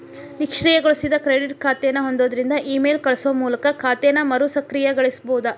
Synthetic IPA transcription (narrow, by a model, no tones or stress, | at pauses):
nikʂɾijɐɡoɭusid̪ɐkɾeɖiʈkʰaːt̪ɛjɐnːɐɦo̞nd̪o̞ːd̪ɐɾind̪ɐʔiːmeːlkɐɭɐsuʋɐmuːlɐkɐkʰaːt̪ɛjnɐmɐɾusɐkɾijɐɡɐɭisboːd̪ɐ